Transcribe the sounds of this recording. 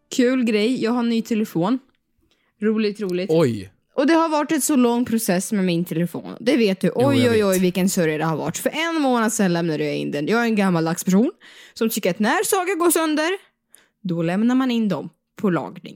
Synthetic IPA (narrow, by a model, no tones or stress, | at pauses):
kʰʉ̟ːlɡɾɛjjɑːɡɦaɳyːt̪ʰɛlɛfoːn | ɾuːlɪt̪ɾuːlɪtɔj | ʔɔd̪ɛhaɾvɑɾʈɛt̪sɔlɔŋːpʰɾʊsɛsːmɛmɪnt̪ʰɛlɛfo̰ːnɔ̰d̪ɛveːt̪̚d̪ɵʔɔjɔjɔjvɪlkənsœɾjad̪ɛhaɾva̰ʈːfœɾʔɛnːmoːnad̪sɛnlɛmnad̪ɵjaɪ̰nd̪ɛnjɑːɡaæɾɛnɡamːald̪akspʰæʂuːnsɔmt̪ʰʏkːəɾat̪næɾsɑːɡaɾɡoːsœnd̪əɾ | d̪ɔlɛmnaɾmanɪnd̪ɔm | pʰɔlɑ̰ːɡnɪ̰ŋ